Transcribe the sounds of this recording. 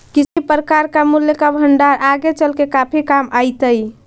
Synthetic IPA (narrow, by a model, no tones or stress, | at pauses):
kit͡ʃʰipəɾəkaɾkamuljəkabʱəɳɖaɾʔaɡet͡ʃəlkekapʰikamajt̪əj